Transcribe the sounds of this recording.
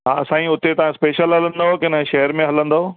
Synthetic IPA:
ɦaːɐsãːĩʊt̪et̪ɐʋ̤ãspeːʃəlɦɐlə̃nd̪aokɪnɦʃɐɦəɾmẽɦɐlə̃nd̪ooː

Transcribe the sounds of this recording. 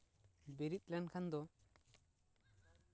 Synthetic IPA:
biɾit̪̚lɛnkʰand̪ɔ

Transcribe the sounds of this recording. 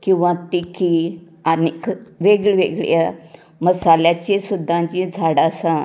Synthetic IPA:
kĩw̃ʋãt̪iki | anikʋeɡɭʋḛɡɭja | məsaljat͡ɕisud̪ʱːãt͡ɕĩd͡zʱaɽasã

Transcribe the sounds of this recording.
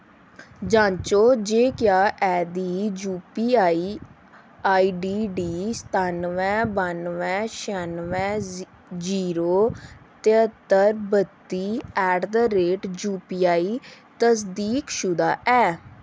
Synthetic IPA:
d͡ʒãːɲt͡ʃoːd͡ʒeːkɪjaːʔɛːd̪iːd͡ʒuːpiːaːiː | aːiːɖiːɖiːst̪ʰaːnʋɛ̃ːbanʋɛ̃ːʃɛnʋɛ̃ː | d͡ʒiːɾoːt̪ɪət̪ːəɾbət̪ːiːɛːɖd̪aːɾeːʈd͡ʒuːpiːaːiː | t̪əs̬d̪iːkʃʊd̪aːʔɛː

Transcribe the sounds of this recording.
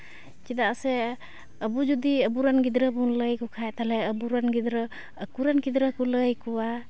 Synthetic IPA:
kid̪aʔsɛ | əbud͡ʒud̪iəbuɾanɡid̪ɾəbunləjkukʰajt̪alɛəbuɾanɡid̪ɾəː | kuɾanɡid̪ɾəkuləjkuwa

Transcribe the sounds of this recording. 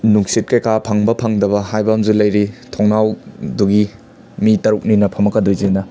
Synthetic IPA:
nuŋsit̚kɐjkapʰaŋbɐpʰaŋdɐβɐhajbɐmzulɐjɾitʰoŋnawduɡi | mitɐɾuk̚ninɐpʰɐmɐkɐdojzinɐ

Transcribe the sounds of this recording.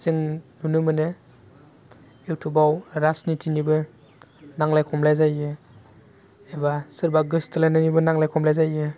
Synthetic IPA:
sɯŋnunɯmɯnɯ | ewtʰubawɾasnitʰinibɯ | naŋlajkʰɔmlajzajɯ | ebasɯɾbaɡɯstʰɯlanɯnibɯnaŋlajkʰɔmlajzajɯ

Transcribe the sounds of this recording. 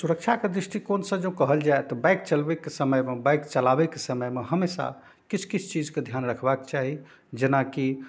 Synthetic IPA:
suɾək̚t͡ʃʰaked̪ɾiʂʈikonsə̃d͡ʒə̃kəɦəld͡ʒaet̪ɔbajk̚t͡ʃəlbekesəməjmebajkt͡ʃəlabekesəməjmeɦəmesa̰ | kit͡ʃʰkit͡ʃʰt͡ʃid͡ʒked̪ʱjanɾəkʰbakt͡ʃaɦi | d͡ʒenaki

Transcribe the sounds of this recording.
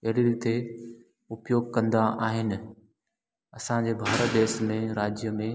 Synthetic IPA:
ɐɽiɾiːt̪e | ʊpjoːɡ̚kɐ̃nd̪aʔaːɦɪnɪ̆ | ɐsãɲd͡ʑebʱaːɾəd̪eːʃmẽɾaːd͡ʑjəmẽ

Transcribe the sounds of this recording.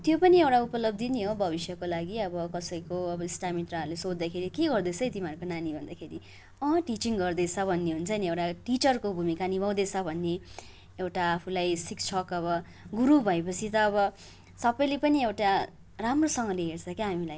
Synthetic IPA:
t̪jopʌniewʈaupʌlʌb̚d̪iniɦobʱʌbisjʌkolaɡiʌbʌkʌsʌjkoʌbʌisʈamit̪raʌɾlesod̪d̪akʰeɾikeɡʌrd̪ʌt͡sʰʌjt̪imarɾkonanibʱʌnd̪akʰeɾi | ʌ̃ʈit͡siŋɡʌrd̪ʌt͡sʰʌbʱʌnːeɦunt͡sʰʌniewʈaʈit͡sʌrkobʱumikanibʱʌw̃d̪et͡sʰʌbʱʌnːe | ewʈaːpʰulajsikt͡sʰʌkʌβʌ | ɡuɾubʱʌepʌt͡sʰit̪ʌːβʌ | sʌpʌjlepʌniewʈa | ramrosʌŋʌleɦert͡sʰʌkeɦamilaj

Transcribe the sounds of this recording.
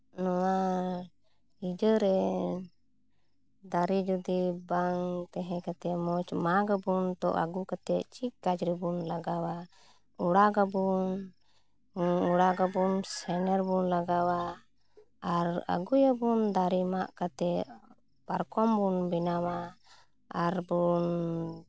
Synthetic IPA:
nɔwa | id͡ʒəɾɛ | d̪aɾid͡ʒud̪ibaŋt̪ɛɦɛ̃kat̪ɛmɔt͡ʃmaɡabunt̪ɔ̰ʔa̰ɡukat̪ɛt͡ʃiʔkad͡ʒɾibunlaɡawa | uɽaɡabun | uɽaɡabunsɛnɛɾbunlaɡawaː | ɾa̰ɡujabund̪aɾimaʔkat̪ɛ | paɾkɔmbunbɛnawa | aɾbun

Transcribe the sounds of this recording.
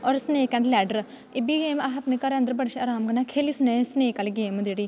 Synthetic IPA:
ɔːɾsneːkɛ̃ɳɖlɛːɖəɾ | ɪbiɡeːmɐɦɐpnekɐɾɐ̃nd̪əɾbɐɽʃɐɾaːmɡɐnaːkʰeːlisneːsneːkɐlɡeːmud̪eɽiː

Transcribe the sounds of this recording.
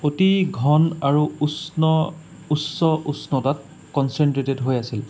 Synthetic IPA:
otiɡʱɔnaɹuusnɔ | usɔʔusnɔtat̚ | kɔnsɛntɹetedɦojasil

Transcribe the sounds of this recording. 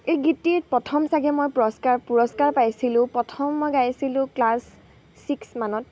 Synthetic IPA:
ejɡitiɹ̚pɹɔtʰɔmsaɡɛmojpuɹɔskaɹpuɹɔskaɹpajsilʊ̃pɹɔtʰɔmːɔjɡajsilʊ̃klasː | iksmanɔt̚

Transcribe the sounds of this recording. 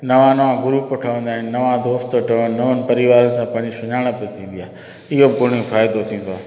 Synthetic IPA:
nɐʋãnɐʋãɡʊɾupoʈʰəʋə̃nd̪aːɪnɪ̆nːɐʋãd̪oːst̪oʈəənɐʋənɪ̆pɐɾiʋaːɾən̆sãpɐ̃ɦɪ̃ɲd͡ʑiʃʊɲaːɽ̃əpət̪ʰĩːn̆d̪ijaːɦ | ɪɦobɪɡʱʊɽ̤̃ijõfaːjɪd̪ot̪ʰĩːn̆d̪oː

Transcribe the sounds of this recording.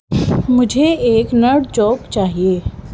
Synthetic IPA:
mʊd͡ʒʱeeːknɐɽd͡ʒɔːbt͡ʃaːɦieː

